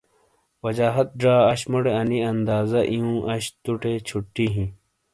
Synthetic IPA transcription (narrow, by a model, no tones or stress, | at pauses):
wɐd͡ʑaːɦɐt̪̚ɖaːɐɕmɐɽeɐniɐnd̪aːzɐʔiũːʔɐɕt̪uʈet͡ɕʰuʈːiɦĩ